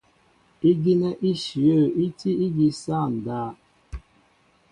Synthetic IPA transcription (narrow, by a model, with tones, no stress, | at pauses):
i˦ɡi˦ne˦ʔi˦ʃi˨ə˦˨i˦ti˦i˦ɡi˦sa˦˨n̩˨daː˦˨